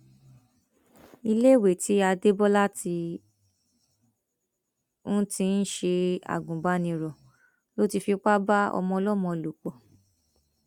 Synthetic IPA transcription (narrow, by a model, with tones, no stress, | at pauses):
i˧le˦˨we˨ti˨˦a˧de˦bɔ˦la˦ti˧ | ũ˦tĩ˧˦n̩˦ʃe˧a̰˨ɡũ˨ba˦nĩ˧ɾɔ˨ | lo˦ti˧fi˧˦k͡pa˦ba˦ɔ̰˧mɔ̃˧ɔ˧lɔ˦˨mɔ̃˧˨lo˨k͡pɔ˨